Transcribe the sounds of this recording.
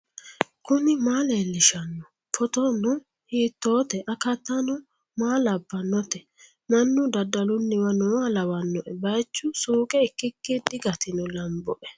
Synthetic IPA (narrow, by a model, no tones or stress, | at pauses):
kʊnɪmaːleːlːɪʃɐnːɔ | fʰɔt̪ɔnɔ | hiːt̪ːoːt̪ɛʔɐkɐt̪ːɐnɔ | maːlɐbːɐnːɔt̪ɛ | nɐnːʊd̪ɐd̪ːɐlʊnːɪwɐnɔwalɐwɐnːɔʔɛbɐjt͡ʃːʊsuːkʼɛɪkːɪkːɪd̪ɪɡɐt̪ɪnɔlɐmbɔʔɛ